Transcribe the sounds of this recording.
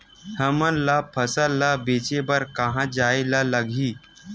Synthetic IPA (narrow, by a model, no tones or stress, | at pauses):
hʰəmənlapʰəsəlːabeːt͡ʃebəɾkəɦãd͡ʒaelaləɡʱiː